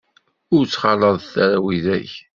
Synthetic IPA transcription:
ʊɾt͡sːχɑləðˤθæɾæwiðæç

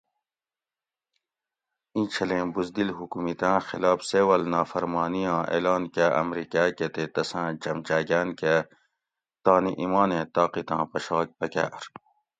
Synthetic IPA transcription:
ĩːt͡ʃʰɐlẽːbuzd̪ilɦukumit̪ãːxilaːfseːwɐlnaːfɐɾmɑːnijãːʔḛːlɑːnkeʔɐ̰mɾiːkaːket̪eːt̪ɐsãːt͡ʃɐmt͡ʃaːɡaːnke | t̪aːniʔimaːnẽːt̪ɑːqit̪ãːpɐʃɑːk̚pɐka̰ːʔɾ

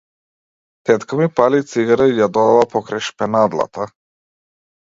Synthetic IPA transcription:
t̪ɛt̪kamipalit̪siɡaɾaijad̪ɔd̪avapɔkɾajʃpɛnad̪lˠa̰t̪a

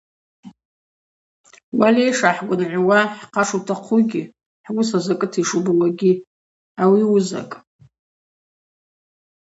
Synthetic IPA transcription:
walejʂaħɡʷʊnʕʷwaħqʰaʂutʰaqʷʰuɡʲi | ħɡʷʊsazakʼɨtʰiʂubwaɡʲi | awiuza̰kʼ

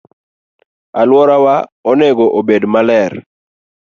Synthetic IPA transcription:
alwɔɾawaɔnɛɡoʔobedmalɛɾ

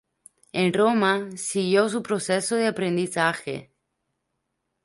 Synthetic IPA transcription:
enromasiɣjo̞s̬upɾosesoðeapɾend̪iθaxḛ

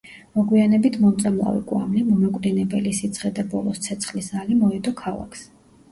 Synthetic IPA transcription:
mɔɡwianɛbit̪ʰmɔt̪sʼamlˠa̰vḭkʼwa̰mlimɔmakʼvɾɛnɛbɛlisit̪sʰχɛd̪abɔlˠɔst̪sʰɛt̪sʰχlisalimɔɛd̪ɔkʰalˠa̰kʰs

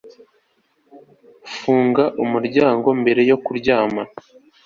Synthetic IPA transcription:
fuːŋɡaʔumuɾɟaːŋɡo̞mbe̞ɾe̞jo̞kuɾɟaːma

